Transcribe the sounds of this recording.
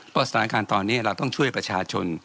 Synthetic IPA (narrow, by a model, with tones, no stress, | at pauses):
pɔː˥˩st̪ʰaː˨˦˧kaː˧nt̪ɔː˧nːiː˦˥ɐɾa˧wt̪ɔ˥˩ŋt͡ɕʰu˥˩əjpɾa˧t͡ɕʰaː˧t͡ɕʰo˧n